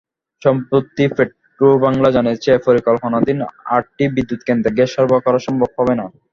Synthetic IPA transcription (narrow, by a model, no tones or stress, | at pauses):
ʃɔmpɾot̪ːifeʈ | ɾobaŋlad͡ʑaniet͡ɕʰepoɾikɔlponad̪ina̰ʈ̚ʈibid̪ːut̪kend̪ɾeɡeʃɔɾbakɔɾaʃɔmbʱob̚ɦɔbena